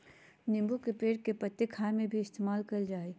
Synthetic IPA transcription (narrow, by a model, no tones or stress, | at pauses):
nɪ̃mbukepeːʈ̚kepɐt̪ːekʰaːmẽbʱiɪst̪eːmaːlkɐld͡ʒaːeː